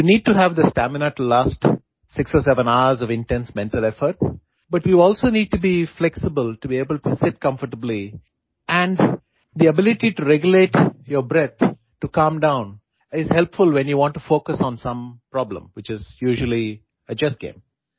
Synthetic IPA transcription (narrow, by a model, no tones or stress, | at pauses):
juniːɖ̚ʈuɦæʋd̪əsʈæmɪnəʈlaːsʈ | sɪksɔːsɛʋə̃naʊəzɔʋɪ̃nʈɛ̃nsmɛ̃nʈəlɛfəɾʈ | bʌʈʋiɔːlsoːniːɖ̚ʈubiflɛksɪbəlʈubieːbəlʈusɪʈ̚kʌ̃ɱfəʈəbli | ʔæ̃ɳɖ | d̪iəbɪlɪʈiʈuɾɛɡjəleːʈjəbɾɛt̪̚ʰ | ʈukʌ̃mɖãʊ̃n | ɪz̥hɛlpfʊlʋɛ̃njuʋɔ̃ːɳʈːufoːkəsɔ̃nsʌ̃mpɾɔblə̰̃mwɪt͡ʃɪzjuːʒəli | əd͡ʒʌsɡ̥ḛ̃ːm